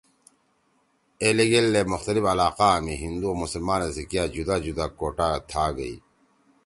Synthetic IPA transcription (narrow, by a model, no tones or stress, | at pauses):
eːleɡelːemʊxt̪ɐlifɐlaːqaːmiɦind̪uomusɐlmaːnazikjaːd͡ʑud̪aːd͡ʑud̪aːkoːʈaːt̪ʰaːɡɐḭ